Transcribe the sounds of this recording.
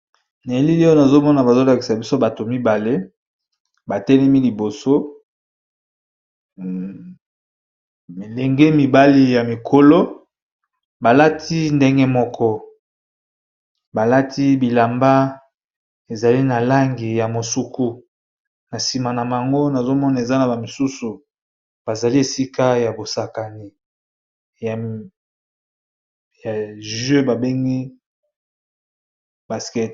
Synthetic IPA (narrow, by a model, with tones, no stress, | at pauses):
na˨li˦li˦na˨zo˦mɔ˦na˨ba˨zo˦la˨ki˨sa˨bi˦so˦ba˨to˨mi˦ba˨le˦ | ba˨tɛ˦lɛ˦mi˦li˨bo˨so˦ | mi˨lɛ˨ŋɡe˦mi˨ba˦li˦ja˨mi˨kʰo˨lo˦ | ba˨la˦tʰi˦nde˦ŋɡɛ˦mɔ˦kʰɔ˦ | ba˨la˦tʰi˦bi˨la˨mba˦ | e˨za˨li˦na˨la˦ŋɡi˨ja˨mo˨su˦kʰu˦ | na˨si˨ma˨na˨ma˨a˨ŋɡo˦na˨zo˦mɔ˦na˨e˨za˦na˨ba˨mi˨su˦su˨ | b̥a˨za˨li˦e˨si˦ka˦ja˨bo˨sa˨ka˨ni˨ | ja˨ | ja˨ʒø˦ba˨be˦ŋɡi˦ | ba˨skɛ˦˨